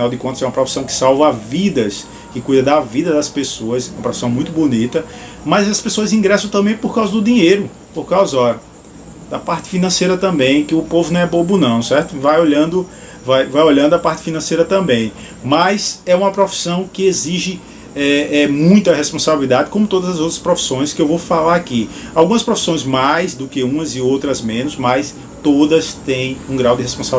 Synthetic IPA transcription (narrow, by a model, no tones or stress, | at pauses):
finawd̪ɪkõt̪ʊzɛũmɐpɾofi̥sɐ̃w̃kɪ̥sawvɐavid̪ɐs | kɪkujd̪ɐd̪ɐvid̪ɐd̪ɐspesoɐsɛwmɐpɾofi̥sɐ̃w̃mũj̃t̪ʊbonit̪ɐ | mɐjzɐspesoɐzĩɡɾɛsɐ̃t̪ɐ̃mbẽj̃poɾkawzɐd̪ʊd̪ĩɲejɾʊ | poɾkawzɐɔ | d̪ɐpaɾt̪ɪ̥finɐ̃sejɾɐt̪ɐ̃bẽj̃kɪʊpovʊnɐ̃w̃ɛbõbʊnɐ̃w̃sɛɾt̪ʊvajoʎɐ̃nd̪ʊ | vajvajoʎɐ̃nd̪ʊɐpaɾt̪ɪ̥finɐ̃sejɾɐt̪ɐ̃mbẽj̃ | mɐjzɛũmɐpɾofi̥sɐ̃w̃kɪeziʒɪ | ɛɛmũj̃t̪ɐɦespõsabilid̪ad̪ɪkõmʊt̪od̪ɐzɐzowt̪ɾɐspɾofi̥sõj̃skɪewvowfalaɾakiawɡũmɐspɾofi̥sõj̃zmajzd̪ʊkɪũmɐzɪowt̪ɾɐzmẽnʊsmajs | t̪od̪ɐst̪ẽj̃ũɡɾawd̪ɪhespõsabi